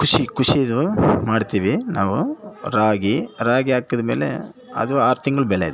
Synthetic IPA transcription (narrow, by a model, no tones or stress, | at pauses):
kʰuʂikʰuʂid̪umaːɽt̪iːʋinaːʋuɾaːɡiɾaːɡiaːkːɐd̪ɐme̞ːle̞̰ | ɐ̰d̪uaːɾt̪iŋɡɐɭubɛlːejid̪e